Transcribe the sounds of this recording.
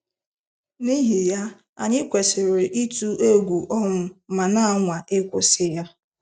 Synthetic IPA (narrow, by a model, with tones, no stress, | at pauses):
ni˦ɦi˨ja˦ | a̰˨ɲɪ˦kʷe˨sɪ˨ɾe˨ʔi˦tu˦e˦ɡʷu˨ʔɔ˦ŋʊ˨ma˨na˦a˦˨ŋʷa˨ʔe˦kʷʊ˨sɪ˦ja˦